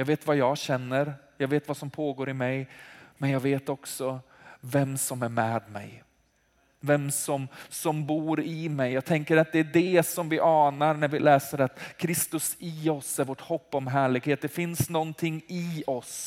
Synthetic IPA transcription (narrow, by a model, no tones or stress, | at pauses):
jɑːɡveːt̪vajɑːɕɛnːəɾjɑːɡveːt̪vasɔmpʰoːɡoːɾɪmɛjmɛnjɑːɡveːt̪ɔksɔ | vɛmsɔmæɾmɛːd̪mɛ̰j | vɛmsɔmsɔmbuːɾɪmɛjːɑːɡt̪ʰɛŋkəɾat̪̚d̪ɛːɖɛsɔmvɪʔɑːnaɾnæɾvɪlɛːsəɾat̪kʰɾɪst̪ɵsɪɔsæɾvoːʈhɔpːɔmɦæːɭɪɡheːt̪̚d̪ɛfɪnsnɔnt̪ʰɪŋːɪɔs